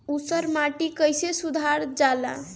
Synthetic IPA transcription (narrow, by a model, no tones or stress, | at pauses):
usəɾmaʈikəjsesud̪ʱaɾd͡ʒala̰